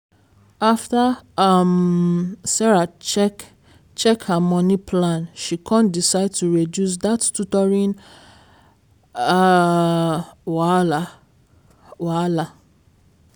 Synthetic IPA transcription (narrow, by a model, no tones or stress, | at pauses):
aftaam | sɛɹat͡ʃɛk | t͡ʃɛkhamɔ̃nĩpʰlãnʃikʰãndisaɪd̚tuɹedjus̬dattutɔɹĩn | waa | wala